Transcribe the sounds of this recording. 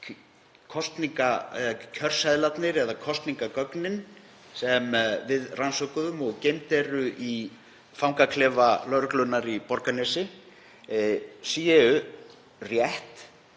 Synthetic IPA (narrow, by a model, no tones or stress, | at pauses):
kʰɔst̪niŋkacʰœr̥saðlat̪nɪɾɛðakʰɔst̪niŋkakœknɪn | sɛmvɪðrʔansɔkʏðʏmɔɣcejnt̪ɛɾʏʔi | fawmkakʰlɛːvalœɾklʏnːaɾipɔɾkanɛsɪ | siɛʏ | rjɛht̪